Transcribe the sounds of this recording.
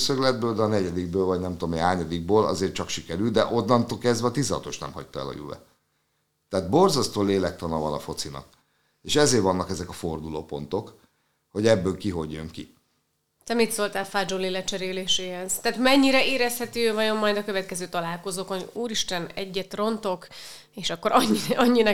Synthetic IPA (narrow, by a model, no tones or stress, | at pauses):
søklɛd̪̚bøːld̪ɛɒnɛɟɛd̪iɡ̚bøːlvɒɟnɛmt̪omehaːɲɒd̪iɡ̚bøːlɒ̰zeːrt͡ʃɒkʃikɛɾyld̪ɛʔo̞nːɒnt̪oːkɛzd̪vɛɒt̪izɒɒ̰t̪o̞ʃtnɛ̰mhɒ̰c̚t̪ɒɛ̰lɒ̰jṵvɛ̰ | t̪ːɛaːd̪borzɒst̪oːleːlɛk̚t̪ɒnɒvɒnɒfo̞t̪sinɒ̰ | eːʃɛzeːrvɒnːɒkɛzɛkɒfo̞rd̪ulo̰ːpo̞n̪t̪o̞k | ho̞ɟɛbːøːlkiɦo̞ɟːøŋki | t̪ɛmit̪solt̪aːlfaːd͡ʒolilɛt͡ʃɛɾeːleːʃeːɦɛz̥t̪ɛːt̪mɛɲːiɾɛeːɾɛshɛt̪yøːvɒjo̞mːɒjd̪ɒkøvɛt̪kɛzøːt̪ɒlaːlko̞zoːkonuːɾiʃt̪ɛnɛɟːɛt̪ro̞nt̪o̞k | eːʃɒkːo̞ɾɒɲːiɒɲːinɛ